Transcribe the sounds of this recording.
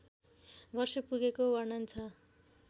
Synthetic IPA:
bʌrsʌpuɡekobʌnʌnt͡sʰʌ

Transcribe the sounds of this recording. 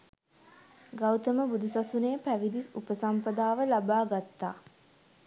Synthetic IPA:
ɡawt̪əməbud̪usasunejːpæʋid̪isupəsampəd̪aːʋəlabaːɡat̪ːa̰ː

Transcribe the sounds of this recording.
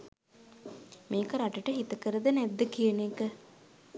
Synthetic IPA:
meːkəɾaʈəʈəɦit̪əkəɾəd̪ənæd̪ːəkijənekə

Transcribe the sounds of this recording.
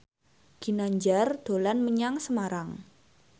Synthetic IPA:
ɡ̥i̤naɲd͡ʒard̪̥o̤lanməɲaŋsəmaɾaŋ

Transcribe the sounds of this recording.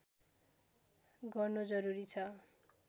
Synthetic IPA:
ɡʌrnod͡zʌɾuɾit͡sʰʌ

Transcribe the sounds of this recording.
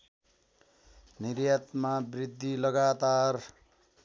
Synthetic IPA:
niɾjat̪mabrid̪ʱːilʌɡat̪ar

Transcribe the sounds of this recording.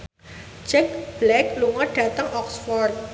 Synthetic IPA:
d͡ʒɛk̚b̥lɛkluŋɔɖ̥ä̤t̪əŋʔɔksfɔrt̪̚

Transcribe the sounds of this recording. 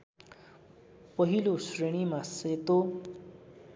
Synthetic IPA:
pʌɦilosreɽ̃imaset̪o

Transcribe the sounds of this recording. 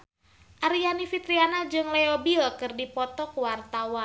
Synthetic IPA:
ʔaɾianifit̪ɾianad͡ʒɨŋleobilkɨrdipɔt̪ɔkuwart̪awan

